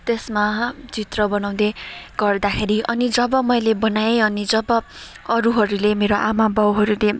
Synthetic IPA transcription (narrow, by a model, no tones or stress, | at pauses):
t̪esmad͡zit̪rʌbʌnaw̃d̪eɡ̥ʌrd̪akʰeɾiʔʌnid͡zʌbʌmʌjlebʌnajeʌnid͡zʌbʌ | ʌɾuɦʌɾulemeɾoʔamabʌwɦʌɾule